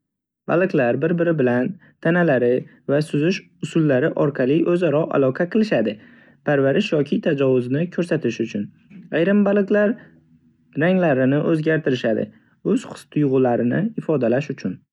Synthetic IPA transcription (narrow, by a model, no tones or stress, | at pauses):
ba̰lˠɨqlaɾbɪɾbɪɾɪbɪlan | t̪ʰanalaɾɪ | vasʊzɪʃ | ʊsʊlːaɾɪʔɒɾqʰɑlˠɪʔɵzaɾɒʔa̰lˠɒqʰɑqʰɨlˠɪʃad̪ɪ | pʰaɾvaɾɪʃjɒkʲʰɪt̪ʰad͡ʒɒvʊznɪkʰɵɾsat̪ʰɪʃʊt͡ʃʰʊn | ajɾɪmbalˠɨqlaɾ | ɾaŋlaɾɪnɪʔɵzɡʲaɾt̪ʰɪɾɪʃad̪ɪ̰ | ɵz̥χʊ̥st̪ʰʊjʁʊlaɾɪnɪ̰ɪfɒd̪alaʃʊt͡ʃʰʊn